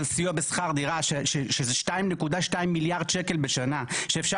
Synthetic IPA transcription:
lsijobesχaʁd̪iʁaʃeʃeʃezeʃtaimnekudaʃtaimːiljaʁd̪ʃeke̞lbeʃanaʃeːfʃa

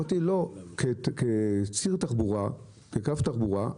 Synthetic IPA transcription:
t̪ilo̞keket͡siʁt̪aχbuʁa | kekaft̪aχbuʁa̰

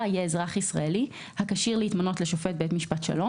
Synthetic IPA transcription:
jeːzʁaχisʁa̰eli | hakaʃiʁleitmono̞tleʃo̞fet̚be̞tmiʃpatʃa̰lo̞

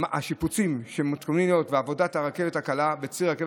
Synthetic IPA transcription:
a̰ʃiput͡simʃemut̪kamninot̪veavo̞dataʁake̞vethakalabet͡siʁakev

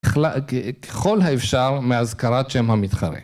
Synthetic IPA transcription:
lakʰe̥χo̞lɦaefʃaʁmeazkaʁatʃemhamit̪χa̰ʁḛ

